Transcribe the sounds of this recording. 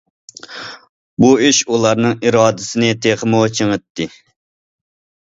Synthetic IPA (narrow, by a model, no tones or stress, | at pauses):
buiʃulˠɑɾnɨŋiɾɑːd̪ɪsɪnɪt̪ʰeχəmot͡ʃʰəŋət̪ːɪ